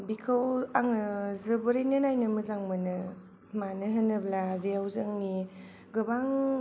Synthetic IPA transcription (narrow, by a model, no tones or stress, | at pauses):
bikʰawaŋɯzɯbɯɾenɯnajnɯmɯzaŋmɯnɯ | manɯɦɯnɯblabiawzɯŋni | ɡɯbaŋ